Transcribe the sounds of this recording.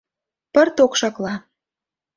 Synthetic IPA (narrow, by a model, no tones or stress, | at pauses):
pərt̪okʃɑklɑ